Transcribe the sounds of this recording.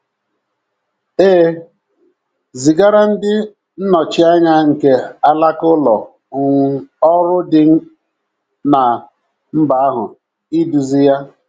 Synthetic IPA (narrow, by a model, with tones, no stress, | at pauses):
eː˦ | zi˨ɡa˦ɾa˦n̩˦dɪ˦ | n̩˦nɔ˨t͡ʃi˦a˦ɲa˦ŋ̩˨ke˨a˦la˦kʊ˦lɔ̰˨ | ʊ˨ŋ˨ɔ˦ɾʊ˦dɪ˦n̩˦ | na˨ | m̩˦ba˨a˦ɦʊ˨ | i˦du˨zi˦ja˦